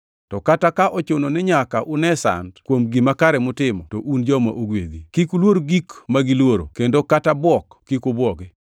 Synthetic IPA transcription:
tɔkatakaʔɔt͡ʃononɪɲakaʔʊnɛsa̰ndkwomɡimakaɾɛmʊtɪmɔtɔʔund͡ʒɔma̰ʔoɡwḛd̪ikikulwoɾoɡikmaɡilwoɾo̰kendokatabwɔkːikʊbwɔɡɛ

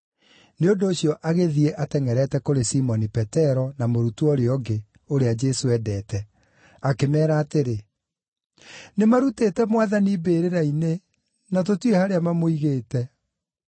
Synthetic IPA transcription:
neondoːɕjɔʔaɣeðiɛʔatɛŋɛɾɛtɛkoɾesimɔnipɛtɛɾɔnamoɾutuɔɾeɔɡe | oɾead͡ʒɛsoɛdɛːtɛ | akemɛːɾaːteɾe | nemaɾuteːtɛmwaðanibeːɾeɾaine | nat̬otuehaɾeamamoiɣeːtɛ

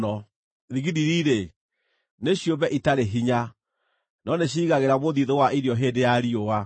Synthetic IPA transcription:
ɔ | ðiɣiɾiɾiɾe | neɕiombɛʔitaɾeɦiɲa | nɔneɕ̬iːɣaɣeɾamoðiðowaʔiɾjɔɦeːndejaɾioa

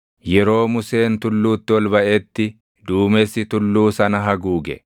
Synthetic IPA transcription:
jɛɾo̞ːmʊse̞ːnt̪ʊlːuːt̪ːɪwɔlbɐʔeːt̪ːɪ | d̪uːmesɪt̪ʊlːuːsɐnɐɦɐɡuːɡɛ̰

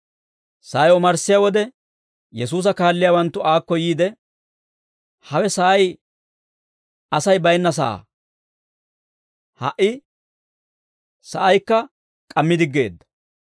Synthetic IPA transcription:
sɐːjɔmɐɾsɪjawɔd̪ɛ | jɛs̬uːs̬ɐkaːlːɪjaːwɐnt̪ːʊaːkːɔjiːd̪ɛ | hɐwɛsɐʔɐj | ɐsɐjbɐjnːɐs̬ɐ̰ʔa̰ː | hɐ̰ʔɪ | sɐʔɐjkːɐ | kʼɐmːɪd̪ɪɡːe̞̰ːd̪ːɐ̥

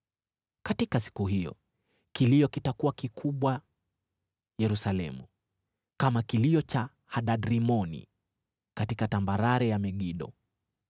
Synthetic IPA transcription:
katikasi̥kuɦijɔ̰ | kilijɔkitakuakikʰuɓwa | jɛɾusalɛ̰mṵ | kamakiliɔt͡ʃa | haɗaɗɾimɔnḭ | katikatambaɾaɾɛjamɛɡiɗɔ̰

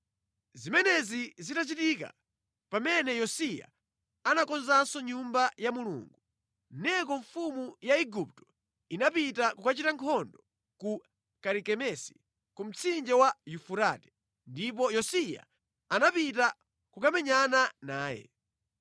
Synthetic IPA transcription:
zimɛnɛzizitat͡ʃitika̰ | pamɛnɛjɔsija̰ | anakɔnzansɔɲumbajamulṵŋɡu | nɛkɔɱfumujaiɡup̚tɔ̥ | inapitakukat͡ʃitaŋkʰɔndɔ | ku | kaɾikɛmɛsi̥ | kum̩t͡sʰind͡ʒɛwajufuɾaːtɛ̥ | ndip̬ɔjɔsija̰ | anapita | kukamɛɲananaːjɛ̰

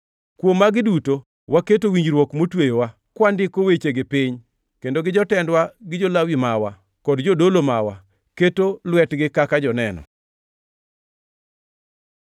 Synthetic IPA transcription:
kwomːaɡɪduto | waketowiɲd͡ʒɾwɔkmotwejowa | kwandɪkowet͡ʃeɡɪpiɲ | kendoɡɪd͡ʒɔtɛndwaɡɪd͡ʒolawimawa | kɔdd͡ʒodolomawa̰ | ketolwɛtɡɪkakad͡ʒɔnɛnɔ̰

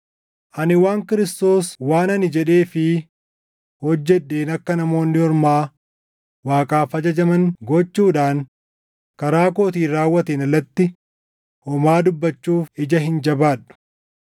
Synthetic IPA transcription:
ʔɐnɪwaːŋkɪɾɪst̪o̞ːswaːnɐnɪd͡ʒɛᶑe̞ːfɪ | hɔd͡ʒːɛᶑːe̞ːnɐkːɐnɐmo̞ːnːɪhɔɾmaː | waːkʼaːfɐd͡ʒɐd͡ʒɐmɐnɡɔt͡ʃːuːᶑaːŋ | kɐɾaːkoːt̪iːɾaːwːɐt̪eːnɐlːɐt̪ːɪ | hɔmaːd̪ʊbːɐt͡ʃːuːfɪd͡ʒɐɦɪnd͡ʒɐbaːᶑʊ̥

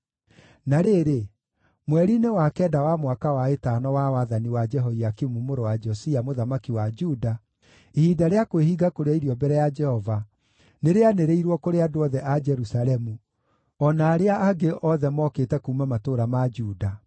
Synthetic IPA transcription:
naɾeɾe | mwɛɾinewakɛːdawamwakawaetanɔwawaðaniwad͡ʒɛɦoiakimumoɾowad͡ʒɔsiamoðamakiwad͡ʒuda | ihidaɾeakwehiɡakoɾeaiɾiɔbɛɾɛjad͡ʒɛhɔva | neɾeaneɾeiɾwɔkoɾeadoɔðɛʔad͡ʒɛɾusalɛmu | ɔnaːɾeaʔaɡeʔɔðɛmɔkeːtɛkuːmamatoɾamad͡ʒuːda

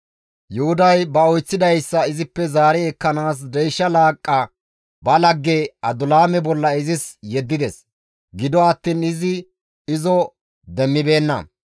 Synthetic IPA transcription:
jʊhʊd̪ɐjbɐɔjt͡sːɪd̪ɐjsːɐɪzɪpːɛzaːɾɛːkːɐnaːs̬d̪ɛjʃːɐlaːkʼːɐ | bɐlɐɡːɛɐd̪ʊlaːmɛbɔlːɐɪzɪsjɛd̪ːɪd̪ɛs | ɡɪd̪ɔɐt̪ːiːnɪzɪ | ɪzɔ | d̪ɛmːɪbe̞ːnːɐ̰

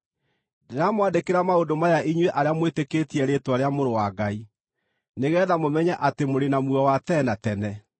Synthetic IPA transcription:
dɾamwadekeɾamaodomajaʔiɲweʔaɾeamweteketiɛɾeːtwaɾeamoɾowaɡai | neɣɛːðamomɛɲɛʔatemoɾenamwɔwatɛnatɛnɛ

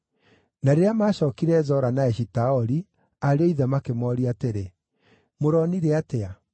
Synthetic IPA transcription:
naɾeɾeamaːɕɔːkiɾɛzɔɾanaɛɕitaɔɾi | aɾeoiðɛmakemɔɾiateɾe | moɾɔniɾeatea

